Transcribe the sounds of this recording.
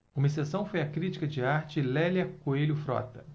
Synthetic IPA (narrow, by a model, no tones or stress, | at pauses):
ũmɐis̬esɐ̃w̃fojɐkɾit͡ʃi̥kɐd͡ʒɪaɾt͡ʃɪlɛljɐkoelʲʊfɾɔ̰t̪ɐ